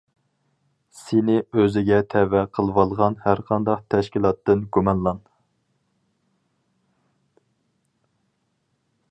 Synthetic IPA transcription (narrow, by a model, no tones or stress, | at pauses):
sɪnɪøzɪɡʲɛt̪ʰɛvɛqʰəlˠwɑlˠʁɑnhæɾqʰɑnd̪ɑqt̪ʰɛʃkʲilˠɑt̪ːɨnɡumɑnlˠɑn